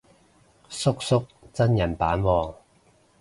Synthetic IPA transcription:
sʊ˥k̚sʊ˥k̚t͡sɐ˥njɐ˨˩npaː˨˥nwɔː˨˧ŋ

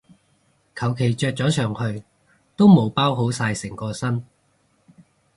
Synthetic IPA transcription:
kʰɐ˨˩wkʰe˨˩jt͡ʃœː˧k̚t͡sɔː˨˥t͡sʰœː˨˩ŋhɵ˧ɥ | t̪o˥wmo˨˧wpaː˥wɦo˨˥wsaː˧jsɪ˨˩ŋkɔː˧sɐ˥n

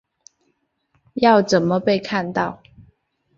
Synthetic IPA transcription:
jɑ˥˨ʊt͡sə˨˩nmə˦pe˥˧ɪkʰa˥˧nt̪ɑ˥˨ʊ

